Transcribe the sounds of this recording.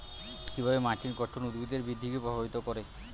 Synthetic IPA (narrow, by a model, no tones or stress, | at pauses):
kibʱabemaʈinkɔʈʰːonud̪but̪eɾbid̪ʱːikepɾobʱabit̪okoɾe